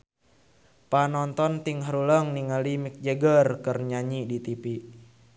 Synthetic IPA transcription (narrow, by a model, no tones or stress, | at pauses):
panɔnt̪ɔnt̪iŋɦaɾuləŋniŋalimik̚d͡ʒəɡərkərɲaɲidit̪ipi